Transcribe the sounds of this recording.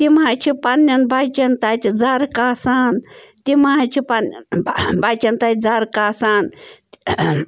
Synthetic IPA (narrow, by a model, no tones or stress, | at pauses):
t̪imaːt͡ʃʰipɐnːɐnbat͡ʃɐnt̪aːt̪ʲid͡zaɾkaːsaːnt̪imaːt͡ʃʰipan | bat͡ʃʲɐnt̪aːt̪̚ʲd͡zaɾkaːsaːn